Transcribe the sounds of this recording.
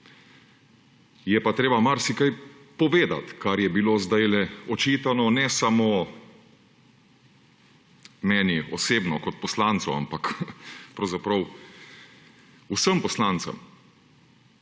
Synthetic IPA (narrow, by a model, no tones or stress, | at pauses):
jɛpat̪ɾeːbamaɾsikaj | pɔʋeːd̪a̰t̪kaɾjɛbiloːzd̪ajlɛɔt͡ʃiːt̪anɔnɛsamo | mɛːniɔseːbnɔkɔt̪̚pɔslaːnt̪sɔa̰mpakpɾɐwzapɾɐw | usəmpɔslaːnt̪sə̰m